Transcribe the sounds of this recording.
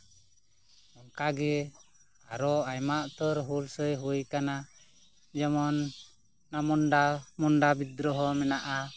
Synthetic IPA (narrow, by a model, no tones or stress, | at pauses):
ɔŋkaɡɛ | aɾɔajmaʔt̪əɾɦulsəjɦujkana | d͡ʒɔmɔnː | amɔnɖamɔnɖabid̪ɾɔɦɔmɛnaʔa